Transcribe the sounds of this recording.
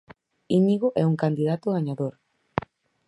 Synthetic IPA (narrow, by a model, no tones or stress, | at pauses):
iɲiɣoʔɛuŋkand̪iðat̪oɣaɲaðoɾ